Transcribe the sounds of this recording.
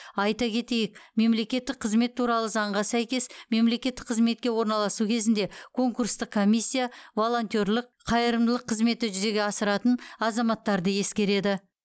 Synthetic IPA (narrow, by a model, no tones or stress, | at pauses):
ɑjt̪ɑkʲʰe̞t̪e̞jɪk̚me̞mle̞kʲe̞t̪ːɪk̚qʰəzme̞t̪ʰːuɾɑlˠəzɑɴʁɑsæjkʲe̞sme̞mle̞kʲe̞t̪ːɪ̥k̚qʰəzme̞t̪̚kʲe̞wo̞ɾnɑlˠɑsukʲʰe̞zɪnd̪e̞kʰo̞ŋkuɾst̪əqkʰːo̞mijsʲːijavo̞lˠo̞nt̪ʲo̞ɾlˠɪq̚qʰɑjəɾəmd̪əlˠəqʰːəzme̞t̪ɪʒʏze̞ɡʲeɑsəɾɑt̪ənɑzɑmɑt̪ːɑɾd̪əje̞skʲe̞ɾe̞d̪ɪ